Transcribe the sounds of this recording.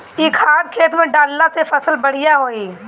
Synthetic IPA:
ikʰaːɾ̚kʰeːt̪mẽɖaːlːat̪ʰefəsəlbəɽ̤ɪjaɦoːiː

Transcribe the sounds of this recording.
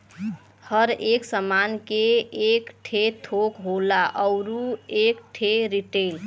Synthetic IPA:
həɾeksəmankeekʈʰet̪ʰokɦolaʔəwɾuekʈʰeɾiʈel

